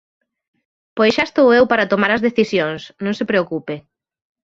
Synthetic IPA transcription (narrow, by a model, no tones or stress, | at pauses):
pojsʃaest̪owewpaɾɐt̪omaɾɐzðeθisjoŋsnõŋsepɾeokupe